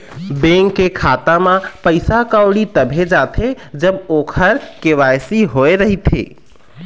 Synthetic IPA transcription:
bẽŋkːekʰaːt̪amãpəɪsakaoɽit̪əbʱed͡ʒaːt̪ʰe | d͡ʒəboːkʰəɾkeʋajsiɦoeɾəɦit̪ʰḛ

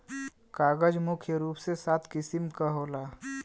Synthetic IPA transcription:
kaːɡəd͡ʒmʊkʰjəɾuːpsesaːt̪ʰkɪsɪmkaɦoːlaː

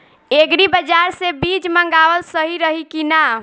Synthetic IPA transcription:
eɡɾibəd͡ʒaɾsebit͡ʃməŋɡawəlsəɦiɾəɦikina

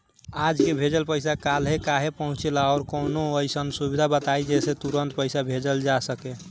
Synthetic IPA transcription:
ad͡ʒkebʱed͡ʒəlpəjsakalɦekaɦepəɦũt͡ʃelaɔɾkonoəjsənsubid̪ʱabət̪aid͡ʒɛset̪uɾənt̪pəɪsabʱed͡ʒəld͡ʒasəke

